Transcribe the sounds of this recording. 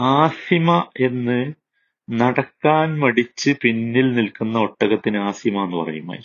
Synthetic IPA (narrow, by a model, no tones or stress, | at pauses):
aːsimɐe̞nːɨ | nɐɽɐkːaːnmɐɽit͡ɕːɨpinːilnilkunːɐo̞ʈːɐɣɐt̪ːinɨaːsimɐenːɨpɐ̰rɐ̰juma̰ːji